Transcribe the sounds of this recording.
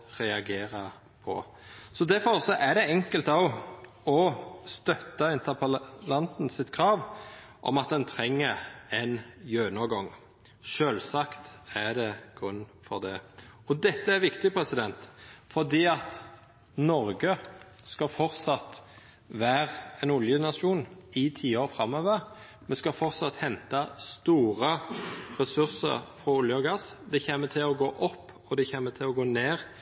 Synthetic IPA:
ʁɛɑɡeːɾɑ | pʰɔ̰ | sɔd̪æɾfɔʁsɔʔæɖ̪ɛɛŋkəlt̪ɑʋ | ɔst̪œt̪ːɑɪnt̪əpʰəlɑnt̪n̩sɪt̪kʰɾɑːʋ | ʔɔ̰mɑt̪̚d̪ɛnt̪ʰɾɛŋːəɾɛnjøːnɔɡɔŋː | ʃøːlsɑkt̪æd̪ɛɡ̥ʁʉnːfɔʁd̪ɛɔd̪ɛt̪ːəæɾʋɪkt̪ɪpʰɾɛsɪd̪ɛnt̪fɔʁd̪iːɑt̪ | nɔʁɡə | skɑfɔʁt̪sɑt̪ | ʋæːʁɛnʊljənɑʂuːnɪt̪ʰiːoːɾfʁɑmːøːʋəʁ | mɛnskɑfɔʁt̪sɑt̪hɛnt̪ɑst̪uːʁəɾɛsʉʁsə̰ɾfɾɔʊljəɔɡɑsd̪ɛçeːmːət̪ʰɪlɔɡoːʔɔpːɔd̪ɛçeːmət̪ʰɪlɔɡoːneːʁ

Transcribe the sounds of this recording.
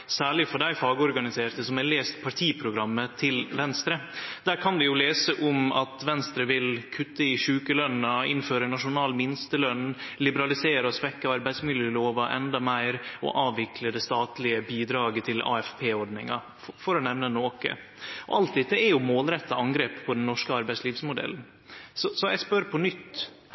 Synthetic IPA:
sæːɭɪfɔɖæɪfɑːɡəɔɾɡɑnɪseːɾt̪əsɔmæleːst̪pʰɑʈ̪ʰiːpʰɾʊɡɾɑmːət̪ʰɪlʋɛnst̪ɾəd̪̥æːɾkʰɑnd̪ɪjʊleːsəʔʊmɑt̪ʋɛnst̪ɾəʋɪlkʰʉt̪ːəɪʂʉːkəlœnəɪ̰nføːɾənɑʂʊnɑːlmɪnst̪əlœnːlɪbəɾɑlɪseːɾəɔsʋɛkːɑɑɾbæɪsmɪljəloːʋɑʔɛ̰nd̪ɑmæɪɾɔ̰ʔɑːʋʋɪkʰləd̪ɛst̪ɑːt̪lɪəbiːd̪ɾɑːɡət̪ʰɪlɑ̰ːɛfpʰeːɔɖnɪŋɑ̰ | fɔɾɔnɛʋnənoːkə̰ | ɔ̰ʔɑlt̪̚d̪ɛt̪ːəæɾjʊmoːlɾɛt̪ːɑʔɑŋɡɾeːppʰɔd̪ɛnːɔʂkəɑɾbæɪsliːfsmʊd̪ɛ̰ln | sɔsɔjæɪspœɾpʰɔnʏt̪ː

